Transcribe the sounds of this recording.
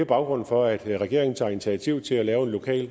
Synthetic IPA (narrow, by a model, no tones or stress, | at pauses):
b̥ɑ̈ʊɡ̥ʁɔ̽nfɒ̽æd̥ʁɛɡ̥e̝̰ɐeŋn̩t͡sʰɑ̈ːi̝nit͡sʰiæt͡sʰiʊ̰t͡sʰe̝lælɛːʊe̝nlo̝kʰɛ̰ːl